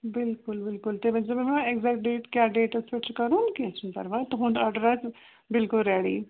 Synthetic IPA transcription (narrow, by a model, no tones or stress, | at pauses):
bɪlkʊlbɪlkʊlt̪eːbə̃d͡ʒemɛ̃mːnãɛkzɛːk̚ʈ̚ɖeːʈkjaːɖeːʈəsʋɪt͡ʃkəɾõːnkɪsnpə̰ɾʋaːt̪oɦʊ̃nd̪aːɖəɾat͡ʃ | bɪlkʊlɾɛːɽḭː